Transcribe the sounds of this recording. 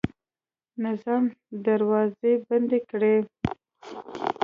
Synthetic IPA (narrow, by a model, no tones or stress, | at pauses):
nɪzɑmd̪aɾwɑzeband̪ekɽe